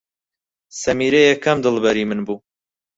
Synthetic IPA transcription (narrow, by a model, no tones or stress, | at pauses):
sɐmiːɾejɛkʰːɐmd̪ɨlbɐɾiːmɨnbuː